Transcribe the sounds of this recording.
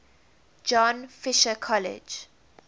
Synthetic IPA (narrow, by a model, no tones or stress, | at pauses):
d͡ʒɔ̃nfɪʃəkʰɔlɛ̰d͡ʒ